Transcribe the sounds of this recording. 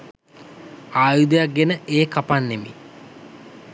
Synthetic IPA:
aːjud̪əjak̚ɡenəʔeːkapanːemḭ

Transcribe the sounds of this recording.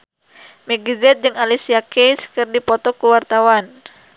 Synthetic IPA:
mɛɡizɛt̪̚d͡ʒɨŋalisiakɛjskɨrdipɔt̪ɔkuwart̪awan

